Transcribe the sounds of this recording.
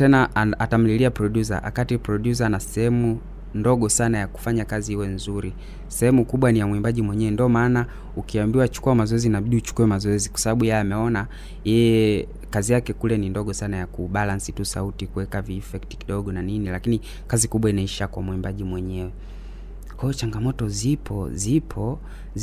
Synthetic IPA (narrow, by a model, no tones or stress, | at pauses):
tɛnaatam̩liliapɾɔɗjuza̰ʔa̰katipɾɔɗjuzanasɛhɛmu | ndɔɠɔsanajaku̥faɲakazihiwɛnzuɾi | sɛhɛmukuɓwanijamwimbaʄimwɛɲɛwɛndiɔmaːna | ukiambiwat͡ʃu̥kuamazɔɛzinaɓiɗiut͡ʃu̥kuɛmazɔɛzikwḁsaɓaɓujaamɛɔna | jɛjɛ | kazijakɛkulɛnindɔɠɔsanajakuɓalansitusa̰utikuwɛkaviːfɛkti̥kiɗɔɠɔnaninilakini | kazikuɓwainaiʃakwa̰mwimbaʄimwɛɲɛwɛ | kɔjɔt͡ʃaŋɡamɔtɔzipʰɔzipʰɔ